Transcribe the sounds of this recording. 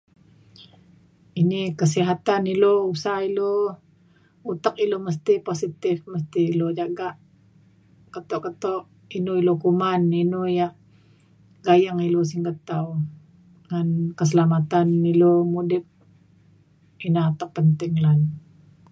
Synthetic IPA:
inikəs̬iɦat̪anilousailo | ut̪əkiloməs̬t̪iposit̪ɪfməst̪ilod͡ʒaɡaʔ | kət̪oʔkət̪oʔ | inuilokumaninujaʔ | ɡajaŋilus̬iŋɡət̪aw | ŋankəs̬əlamat̪anilomudɪp̚ | inaat̪ək̚pənt̪ɪŋlan

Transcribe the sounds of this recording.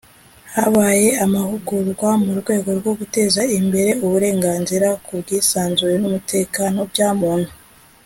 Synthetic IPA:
haβaːje̞amahuɡuɾɡwamuɾɡwe̞ːɡo̞ɾɡo̞ɡute̞ːzaimbe̞ɾe̞uβuɾe̞ːŋɡaːnziɾakubɡiːsaːnzujenumute̞ːkanob̚ɟaːmuːn̥hu

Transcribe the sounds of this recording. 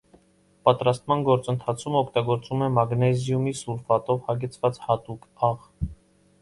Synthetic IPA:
pɑt̪ɾɑst̪mɑnɡɔɾt͡sənt̪ʰɑt͡sʰumɔkʰt̪ɑɡɔɾt͡sumɛmɑɡnɛzjumisulfɑt̪ɔvhɑɡɛt͡sʰvɑt͡shɑt̪ukɑʁ

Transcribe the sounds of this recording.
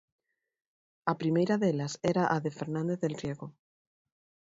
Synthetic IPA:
apɾimejɾaðelaseɾaʔaðefeɾnãnd̪eððelrjeɣo

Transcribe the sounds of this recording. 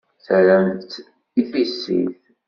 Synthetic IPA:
θɾəmt̪ | iθisːḭθ

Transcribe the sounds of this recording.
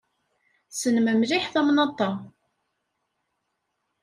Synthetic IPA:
sənməmliħθæmnɑt̪ˤɑ

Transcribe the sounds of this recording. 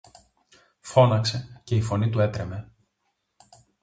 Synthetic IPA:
fo̞nɐkse̞ce̞ifo̞nit̪ue̞t̪ɾe̞me̞

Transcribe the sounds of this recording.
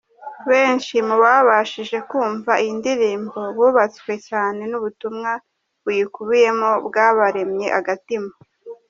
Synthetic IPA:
βe̞ːnʃimuβaβaʃiʒe̞kuːɱvaʔindiɾiːmbo̞βuːβat͡swe̞caːne̞nuβutumŋa | βujikuβije̞mo̞bɡaβaɾe̞mɲe̞ʔaɡatimo

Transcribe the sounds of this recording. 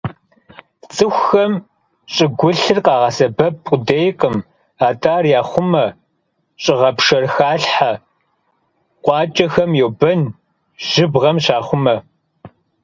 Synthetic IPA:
t͡sʼɨxʷxɐm | ɕʼɪɡʷʊɬɨrqʼɑːʁɐsɐbɐp̚qʷʼʊdejqʼəm | aːtʰʼaːrjaːχʷʊmɐ | ɕʼɪʁɐpʂɐrxaːɬħa | qʷʼɑːt͡ʃʼɐxɐmjɛwbɐn | ʒ̥ɪbʁɐmɕaːχʷʊmɐ

